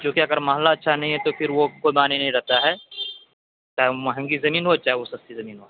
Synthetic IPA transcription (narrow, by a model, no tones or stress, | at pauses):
d͡ʒõːkiɐɡəɾmɐɦlːaɐtːʃʰanɐɦĩɦɛt̪opʰɪɾʋokoːibaːninɐɦĩɾɛɦt̪aɦɛː | t͡ʃaːɦemɐɦɛ̃ŋɡizɐmiːnɦot͡ʃaːɦeʋosɐst̪izɐmiːnɦoː